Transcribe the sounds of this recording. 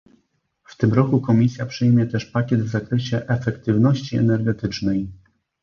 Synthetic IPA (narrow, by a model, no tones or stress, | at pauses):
ft̪ɘmɾɔkukɔmʲisʲjapʂɘjmʲjɛt̪ɛʂpakʲɛd̪vzakɾɛɕɛʔɛfɛkt̪ɘvn̪ɔɕt͡ɕiɛ̰nɛɾɡɛt̪ɘt͡ʂnɛj